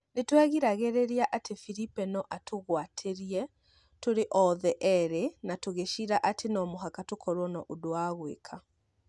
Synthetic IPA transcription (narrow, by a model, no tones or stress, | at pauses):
netwaɣiɾaɣeɾeɾiaʔatʰefiɾipɛnɔʔatʰoɣwatʰeɾiɛ | toɾeʔɔðɛʔɛɾenatoɣeʃiɾaʔatʰenɔmoɦakatokʰɔɾwɔnɔʔodoaɣwḛkʰa